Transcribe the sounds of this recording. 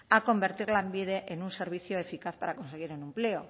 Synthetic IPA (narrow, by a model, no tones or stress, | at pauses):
ako̞mbe̞ɾt̪iɾlaembiðeʔenunse̞ɾβ̞iθjoefikaθpaɾako̞nseɣ̞iɾunẽmpleo